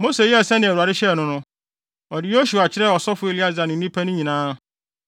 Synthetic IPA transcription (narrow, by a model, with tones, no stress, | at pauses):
mo˦se˨jɛ˦˨sɛ̃˦nɪ̃˨ɾu˨a˨ɾɪ˦ɕɛ˦˨nʊ̃˦nʊ̃˦ | ɔ˨dɪ˨jo˦su˨a˨t͡ɕʰɪ˦ɾɛ˦ɔ˨sɔ˦fʊ˦e˨li˦a˦za˨nɪ̃˨˦ĩ˦pʰæ˦nʊ̃˦ɲĩ˨nãː˦